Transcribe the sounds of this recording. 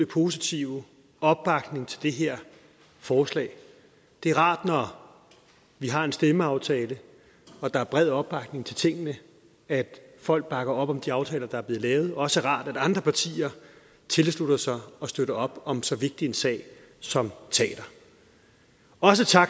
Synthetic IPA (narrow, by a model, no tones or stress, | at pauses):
ipʰo̝ːsit͡sʰiʊ | ɒ̽b̥ːɑ̈ɡ̥ne̝ŋt͡sʰe̝ld̥e̝ɦe̝ɐ̰ | fɒːslɛ̰ːɪ | d̥e̝æɐʁɑ̰̈ːd̥nɒ | ʋiɦɑ̈e̝nsd̥eməɑ̈ʊt͡sʰɛːlə | ɒ̽d̥ɑ̈æɐb̥ʁɛð̰ˠɒ̽b̥ɑ̈ɡ̥ne̝ŋt͡sʰe̝lt͡sʰe̝ŋ̰ənə | æd̥fɒ̽l̰ɡ̥̚b̥ɑ̈ɡ̥ɐɒ̽b̥ɒ̽md̥iɑ̈ʊt͡sʰɛːlɐd̥ɑ̈æɐb̥le̝ð̩ˠlɛːʊð̞̩ˠɒɒ̽səæʁɑ̰̈ːd̥æɾ̥ɑ̈nd̥ʁɐpʰɑ̈t͡sʰḭːɐ | t͡sʰe̝lslud̥ɐsɑ̈ɪɒ̽sd̥øɾ̥ɐɒ̽b̥ɒ̽msɒ̽ʋe̝ɡ̥̚d̥ie̝nsɛ̰ːɪ | sɒ̽mt͡sʰɛ̰ːd̥ɐ | ɒ̽s̬ət͡sʰɑ̈ɡ